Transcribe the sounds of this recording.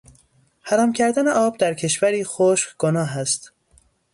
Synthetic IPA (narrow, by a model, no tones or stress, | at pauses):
hæɾɒːmcʰæɾd̪æneʔɒːb̚d̪æɾcʰe̞ʃvæɾiːxoːʃqɡ̥onɒːɦæst̪